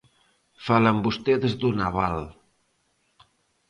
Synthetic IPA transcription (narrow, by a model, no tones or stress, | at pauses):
faləmbust̪eðzd̪unaβal